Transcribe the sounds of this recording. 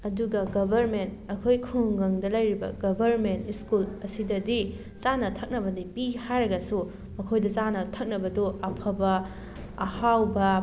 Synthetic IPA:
ɐduɡɐɡɐbʱɐɾmentɐkʰojkʰuŋŋɡɐŋdɐlɐjɾibɐ̰ɡɐbʱɐɾmentiskulɐsidɐdi | t͡ʃanɐtʰɐk̚nɐbɐdipihajɾɐɡɐsu | mɐkʰojdɐt͡ʃanɐtʰɐk̚nɐbɐdoɐpʰɐbɐː | hawbɐ

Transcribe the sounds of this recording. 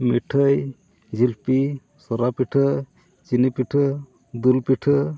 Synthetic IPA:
miʈʰəj | d͡ʒilpi | sɔɾapiʈʰə | t͡ʃinipiʈʰə | d̪ulpiʈʰə

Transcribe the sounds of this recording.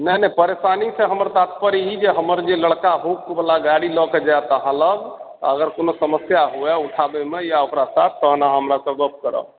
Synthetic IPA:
nənɛpəɾesaniseɦəməɾt̪at̪pəɾiid͡ʒeɦəməɾd͡ʒeləɽkaɦokkbəlaɡaɽilɔked͡ʒaɛt̪əɦãləɡt̪ɔəɡəɾkonosəməsjaɦuɛuʈʰabɛmejaokɾasat̪̚ʰːəɦnaɦəmɾakɔ̃ɡəpkəɾə̰

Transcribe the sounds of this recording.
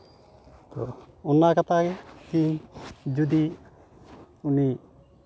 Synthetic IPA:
t̪ɔɔnːakat̪ʰaɡɛki | d͡ʒud̪i | uni

